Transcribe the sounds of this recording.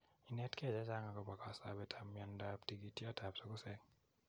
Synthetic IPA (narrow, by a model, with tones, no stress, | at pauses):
i˨nɛ˦tkɛ˦˨d͡ʒɛ˦t͡ʃa˦ŋa˨kɔ˨pa˨ka˨sa˨bɛ˦tʰamːiɔndaptiɡitɔ˦tʰa˨psɔ˦kʊ˦sɛ˦ŋ